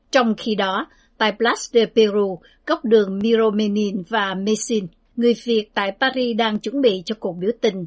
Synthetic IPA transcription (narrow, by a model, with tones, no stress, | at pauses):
t͡ɕɔ˧wŋ͡mxi˧ɗɔ˨˦ | t̪a̰ː˧˨jplaː˦˥sɗe˧pe˧ɾu˧ | ɣə˦˥wk͡p̚ɗɨ˨˩əŋmi˧zo˧me˧ni˧nvaː˨˩me˧si˧n | ŋɨ˨˩əjvi˨˩ət̚t̪a̰ː˧˨jpaː˧ɾi˧ɗaː˧ŋt͡ɕwə˧˥˦nɓḭ˧˨t͡ɕɔ˧ku˨˩ək̚ɓi˨˦əwt̪ï˨˩ŋ̟